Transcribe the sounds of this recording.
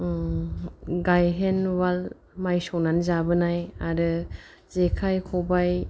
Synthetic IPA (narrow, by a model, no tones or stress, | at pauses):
ɡajɦenwal | majsɔnanzabɯnajaɾɯ | zekʰajkʰɔbaj